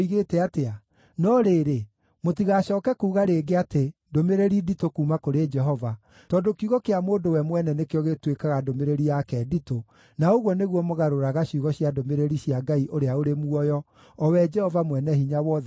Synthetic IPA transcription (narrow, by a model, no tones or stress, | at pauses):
iɣetɛatea | nɔɾeːɾe | motiɣaɕɔːkɛkuːɣaɾeːɡeatendomeɾeɾiditokuːmakoɾed͡ʒɛɦɔva | tɔdokiuɣɔkeamoːndowɛmwɛnɛnekeɔɣetwekaɣadomeɾeɾiakɛdito | naoɣwɔneɣwɔmoɣaɾoɾaɣaɕiuɣɔɕjadomeɾeɾiɕiaɡaiʔoɾeaoɾemuɔjɔ | ɔwɛd͡ʒɛhɔvamwɛnɛhiɲawɔð